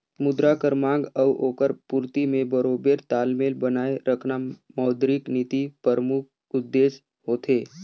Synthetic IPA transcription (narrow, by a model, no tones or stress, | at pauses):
mʊd̪ɾakəɾmãːŋɡəʋʔoːkəɾpuːɾt̪imẽbəɾoːbeːɾt̪aːlmeːlbənaːeɾəkʰnamɔːd̪ɾiknit̪ipəɾmʊk̚ʰ | ʊd̪ːeːʃ | ɦoːt̪eː